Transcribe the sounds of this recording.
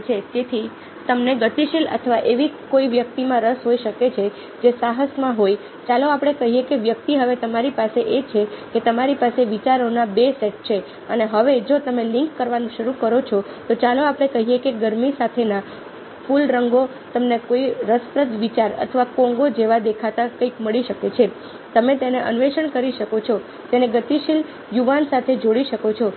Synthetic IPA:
t͡ʃʰed͡ʒet̪ʰi | t̪əmneɡət̪iʃelə̰t̪ʰəʋaʔeʋikoiʋjək̚t̪imãɾəsɦoiʃəket͡ʃʰe | d͡ʒesaɦəsmãɦoi | t͡ʃaloapɽ̃ekəɦijekeʋjək̚t̪iɦəʋet̪əmaɾipaseʔet͡ʃʰeket̪əmaɾipaseʋit͡ʃaɾonabeseʈ̚t͡ʃʰe | əneɦəʋed͡ʒot̪əmelɪŋkːəɾʋanũʃəɾukəɾot͡ʃʰo | t̪ot͡ʃaloapɽ̃ekəɦijekeɡəɾmisat̪ʰena | fulɾəŋɡo | t̪əmnekoiɾəspɾət̪ʋit͡ʃaɾə̰t̪ʰəʋakõŋɡod͡ʒeʋad̪ekʰat̪akəikməɭiʃəket͡ʃʰe | t̪əmet̪eneʔə̰nʋeʃəɳkəɾiʃəkot͡ʃʰɔ | t̪eneɡət̪iʃil | juʋansat̪ʰed͡ʒoɽiʃəkot͡ʃʰɔ

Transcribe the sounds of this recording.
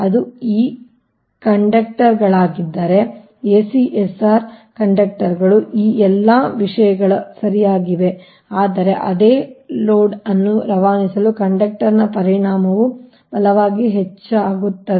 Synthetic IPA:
ɐd̪uiː | kɐɳɖɐk̚ʈɐɾɡɐɭaːɡid̪ːaːɾe̞ | eːsiʔesaːɾkɐɳɖɐk̚ʈɐɾɡɐɭuʔiːɛlːɐʋiʂɐjɐɡɐɭɐsɐɾijaːɡiʋe̞ | aːd̪ɐɾe̞ʔɐd̪eːloːɖɐnːuɾɐʋaːnisɐlukɐɳɖɐk̚ʈɐɾnɐpɐɾiɳaːmɐʋu | bɐlɐʋaːɡiɦet͡ʃːaːɡut̪ːɐd̪

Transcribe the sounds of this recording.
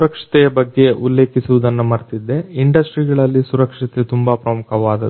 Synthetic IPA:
ɾɐkʂɐ̥t̪ɛjɐbɐɡːe̞ulːe̞ːkisuʋud̪ɐnːumɐɾt̪id̪ːe̞iɳɖɐsʈɾiɡɐɭɐlːisuɾɐkʂɐt̪et̪umbɐpɾɐmukʰɐʋaːd̪ɐ

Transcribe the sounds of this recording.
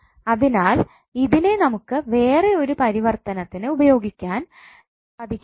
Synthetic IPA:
ɐðinaːl | iðile̞nɐmukːɨʋe̞ːre̞o̞ɾupɐɾiʋɐrt̪ɐnɐt̪ːinɨubɐjo̞ːɡikʲːaːn | ɐd̪ʱikʲː

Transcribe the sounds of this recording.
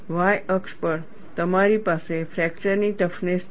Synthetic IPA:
ʋajəkspəɾ | t̪əmaɾiːpasefɾɛk̚t͡ɕəɾniʈəfnes

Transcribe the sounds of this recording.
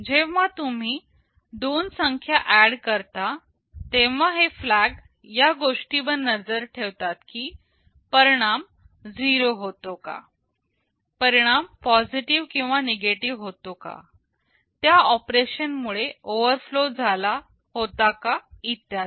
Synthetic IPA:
d͡ʑeʋʋat̪um̤iː | d̪onsəŋkʰjaʔæɽkəɾt̪a | t̪eʋ̤aɦeflæɡ | jaɡoʂʈibənːəd͡zəɾʈʰeʋt̪at̪kiː | pəɾiɽ̃am | d͡ziɾoɦot̪oka̰ | pəɾiɽ̃ampɔd͡ziʈiʋkĩw̃ʋaneɡeʈiʋɦot̪oka̰ | t̪jaɔpɾeɕənmuɭeoʋəɾflod͡zʱala | hot̪akait̪jat̪

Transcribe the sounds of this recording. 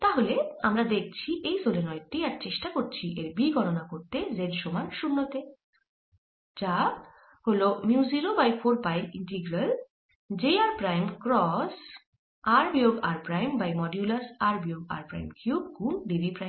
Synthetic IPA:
t̪aɦoleamɾad̪ek̚ʰt͡ɕʰiʔejsolenɔjeʈʈːiaɾt͡ɕeʃʈakoɾt͡ɕʰiʔeɾbiɡʱɔʈonakoɾt̪ezedʃomaɾʃunːot̪e | d͡ʑa | holomiuziɾobajfʰoɾpajliɳʈiɡɾal | d͡ʑejaɾpɾajmkɾɔs | aɾbioɡaɾpɾajmbajmɔɖjulasaɾbioɡa̰ɾpɾa̰jmkjub̚kuŋɖibipɾajm

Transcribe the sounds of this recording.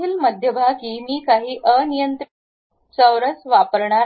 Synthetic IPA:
iːlməd̪ʱjəbʱakiːmiːkaɦiːʔənijənt̪ɾ | t͡səwɾət͡sʋapəɾɳa

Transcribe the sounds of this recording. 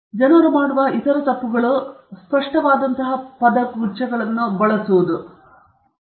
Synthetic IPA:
d͡ʒɐnɐɾumaːɽuʋɐit̪ɐɾɐt̪ɐpːuɡɐɭuspɐʂʈɐʋaːd̪ɐnt̪ɐɦɐpɐd̪ɐkuːt͡ʃɐɡɐɭɐnːubɐɭɐsuʋud̪u

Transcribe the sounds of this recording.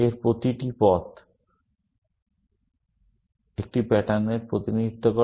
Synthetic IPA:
eɾpɾot̪iʈipɔt̪ | ek̚ʈibɛʈaneɾpɾot̪inid̪ʱit̪ʰːoko

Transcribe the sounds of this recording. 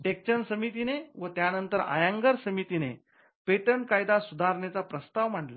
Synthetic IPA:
ʈek̚t͡ɕənsəmit̪ineʋət̪janənt̪əɾa̰jãŋɡəɾsəmit̪ine | peʈəɳkajd̪asud̪ʱaɾɳet͡sapɾəst̪aʋm̤əʈla̰

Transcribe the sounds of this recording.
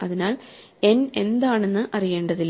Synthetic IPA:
ɐðinaːle̞ne̞nd̪aːɳe̞nːɨʔɐrije̞ːɳɖɐðilː

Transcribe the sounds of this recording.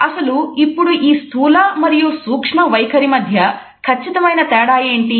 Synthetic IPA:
ɐsɐluipːuɽuʔiːst̪ʰuːlɐmɐɾijusuːkʂɳɐʋɐjkʰɐɾimɐd̪ʱjɐ | kʰɐt͡ʃːit̪ɐmɐjnɐt̪ɛːɽaːje̞ːɳʈi

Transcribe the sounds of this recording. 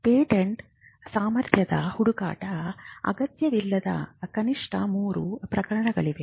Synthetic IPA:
peːʈeɳʈ | saːmɐɾt̪ʰjɐd̪ɐ̰huɽuka̰ːʈɐɐ̰ɡɐt̪jɐʋilːɐd̪ɐ̰kɐniʂʈʰɐmuːɾṵpɾɐkɐɾɐɳɐɡɐɭiʋe

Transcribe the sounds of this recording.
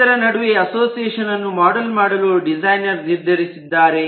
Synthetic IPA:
ɐɾɐnɐɽuʋeɐsoːsiɛːʂɐnɐnːumaːɖɐlmaːɽɐluɖid͡ʒɐjnɐɾniɾd̪ʱɐɾisid̪ːaːɾe̞

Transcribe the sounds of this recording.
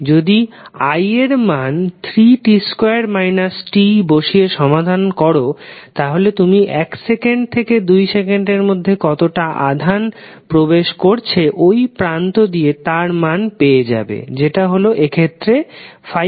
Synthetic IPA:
d͡ʑod̪i | ajeɾmant̪ʰɾiʈiskoeaɾmajnasʈiboʃieʃɔmad̪ʱankɔɾot̪aɦolet̪umiʔɛksekeɳɖ̚t̪ʰeked̪ujsekeɳɖeɾmod̪ʱːekɔt̪oʈaʔa̰d̪ʱan | pɾobeʃkoɾt͡ɕʰeʔojpɾant̪od̪iet̪aɾmanpeed͡ʑa̰bḛd͡ʑeʈaɦoloʔekʰet̪ːɾefa

